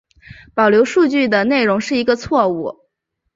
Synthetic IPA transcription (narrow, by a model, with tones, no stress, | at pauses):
pɑ˨˩ʊljo˧˥ʊʂu˥˧t͡ɕy˥˩d̪ə˩ne˥˩ɪɻʊ˧˥ŋʂɻ̩˥˩i˧˥ɡə˧t͡sʰwɔ˥˧u˥˩